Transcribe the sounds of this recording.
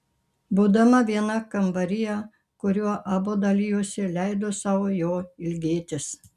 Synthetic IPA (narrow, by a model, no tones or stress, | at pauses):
buːd̪ɐmɐʋʲiɛnɐkɐmbɐɾʲɪjɛ | kʊɾʲuɔʔɑːboːd̪ɐlʲijuɔsʲɪlʲɛɪd̪oːsɑːʋoːjoːɪlʲɡʲeːt̪ʲɪs